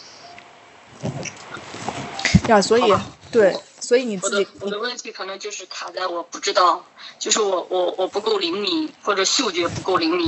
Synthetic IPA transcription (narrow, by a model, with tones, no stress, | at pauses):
ja˥˩swɔ˧˥i˨˦t̪we˥˩ɪ | swɔ˧˥i˧˥ni˨˩t͡sɹt͡ɕt͡ɕi˨˩ɔ˨˩d̪ə˦wə˥˩nt̪ʰi˧˥kʰɤ˨˩nɤ˧˥ŋt͡ɕjo˥˧ʊʂɻ̩˥˩t̪ʰa˨˩t͡sa˥˩ɪwɔ˨˩pu˥˩ʈ͡ʂɻ̩˥t̪ɑ˥˩ʊt͡ɕjo˥˧ʊʂɻ̩˥˩wɔ˨˩wʔɔ˧˩˦wɔ˨˩pu˧˥ko˥˩ʊli˧˥ŋmi˨˩˦xwɔ˥˩ʈ͡ʂɤ˨˩˦ɕjo˥˩ʊt͡ɕɥɛ˧˥pu˧˥ko˥˩ʊli˧˥ŋmi˨˩˦